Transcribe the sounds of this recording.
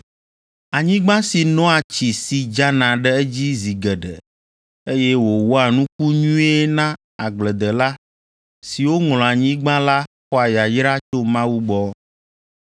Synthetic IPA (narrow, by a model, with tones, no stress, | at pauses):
a˨ɲĩ˦ɡ͡bã˦si˨nɔ̃˦a˨t͡ɕi˨si˨d͡ʒa˦nã˨ɖɛ˦ɛ˦d͡ʑi˦zi˨ɡɛ˨ɖɛ̰˨ | e˦je˦wo˨wo˦a˨nũ˦k̚u˦ɲũ˦ɛ˦nã˦ | a˨ɡ͡blɛ˨d̪ɛ˨la˦ | si˨wo˦ŋlɔ̃˨a˨ɲĩ˦ɡ͡bã˦la˦xɔ˦a˨ja˨jɾa˦t͡ʃo˦mã˦wu˦ɡ͡bɔ˦